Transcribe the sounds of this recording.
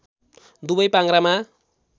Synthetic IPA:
d̪ubʌjpaŋɡɾama

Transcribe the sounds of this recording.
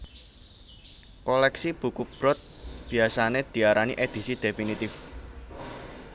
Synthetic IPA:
kɔlɛksib̥ṳkub̥ɾɔt̪̚b̥i̤asaned̪̥i̤aɾanḭʔed̪̥i̤sid̪̥efinit̪ɪf

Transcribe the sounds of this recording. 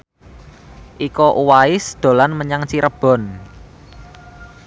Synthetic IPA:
ʔikɔʔuwaɪsd̪̥o̤lanməɲaŋt͡ʃiɾəb̥ɔ̤n

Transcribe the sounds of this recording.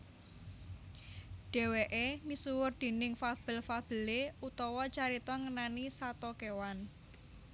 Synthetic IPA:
ɖ̥e̤weʔemisuwʊrd̪̥e̤nɪŋfab̥ə̤lfab̥ə̤leut̪ɔwɔt͡ʃaɾit̪ɔŋənanisat̪ɔkewan

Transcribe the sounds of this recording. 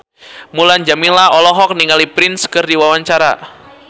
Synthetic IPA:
muland͡ʒaminlaʔɔlɔɦɔk̚niŋalipɾɪnskɨrdiwawaɲt͡ʃaɾa̰

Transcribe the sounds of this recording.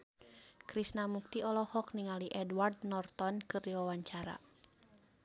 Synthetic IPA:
kɾisnamuk̚t̪iɔlɔhɔk̚niŋaliʔɛdward̪̚nɔrt̪ɔnkɨrdiwawaɲt͡ʃaɾa̰

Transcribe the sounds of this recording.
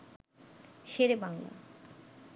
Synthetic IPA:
ʃeɾebaŋla̰

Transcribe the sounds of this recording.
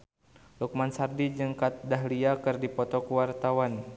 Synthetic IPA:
luk̚mansardid͡ʒəŋkat̪̚daɦliakɨrdipɔt̪ɔkuwart̪awan

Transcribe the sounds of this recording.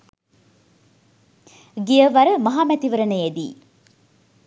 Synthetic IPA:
ɡijəʋɐɾəmɐɦaːmæt̪iʋəɾənəjed̪ḭː

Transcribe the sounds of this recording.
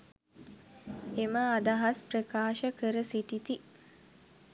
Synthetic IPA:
eməad̪aɦasprəkaːʃəkəɾəsiʈit̪i

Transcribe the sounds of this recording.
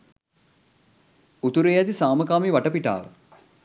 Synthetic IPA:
ut̪uɾejæt̪isaːməkaːmiʋaʈəpiʈa̰ːʋə̰

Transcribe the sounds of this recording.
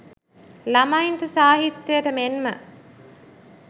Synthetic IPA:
lɐmainʈəsaːɦit̪ːejəʈəmenmə̰

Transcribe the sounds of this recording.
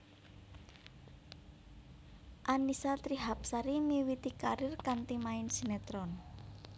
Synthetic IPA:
ʔanisat̪ɾiɦap̚saɾimiwit̪ikaɾɪrkant̪imaɪnsinet̪ɾɔn

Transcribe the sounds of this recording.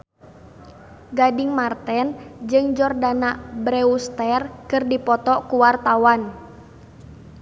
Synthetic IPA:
ɡadɪŋmart̪ɛnd͡ʒɨŋd͡ʒɔrdanabɾɛust̪ɛrkɨrdipɔt̪ɔkuwart̪awan

